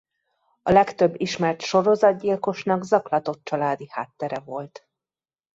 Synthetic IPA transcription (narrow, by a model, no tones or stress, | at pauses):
ɒlɛkt̪øbːiʃmɛrt̪ʃo̞ɾo̞zɒd̪̚ɟilko̞ʃnɒɡzɒklɒt̪o̞t̪̚t͡ʃɒlaːd̪iha̰ːt̪ːɛɾɛvo̞lt̪